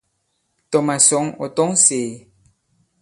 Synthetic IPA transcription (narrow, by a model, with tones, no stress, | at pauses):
tɔ˨ma˨sɔ˨˦ŋo̰˨tɔ˦ŋseː˨